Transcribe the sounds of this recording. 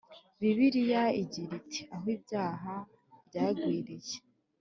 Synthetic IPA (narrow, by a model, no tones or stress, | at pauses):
βiβiɾijaiɟiɾitʰe̥aɦwiːbjaːɦa | bɟaːɡwiːɾije